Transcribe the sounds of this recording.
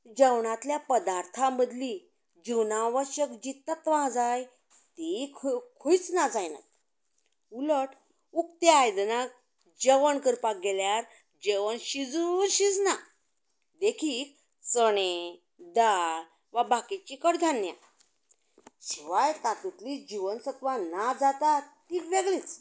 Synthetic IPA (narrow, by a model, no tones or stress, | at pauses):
d͡ʑəwɳat̪ljapəd̪aɾt̪ʰãməd̪li | d͡ʑiwnãʋəɕəkd͡ʑit̪̚nat̪ʋãd͡zaj | t̪ikʰkʰujt͡snad͡zajna̰t̪ | uləʈ | ukt̪eajd̪nak̚ | d͡ʑəʋənkəɾpaɡeljaɾ | d͡ʑeʋənɕid͡zuɾɕid͡zna | d̪ekʰiːk̚ | t͡səɽ̃e | d̪al | ʋabakit͡ɕikəɽd̪ʱanja̰ | ɕiʋajt̪at̪it̪lid͡ʑiʋənsət̪ʋanad͡zat̪at̪ikʋeɡlit͡s